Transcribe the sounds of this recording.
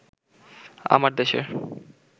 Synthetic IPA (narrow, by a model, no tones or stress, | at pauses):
a̰maɾd̪eʃḛ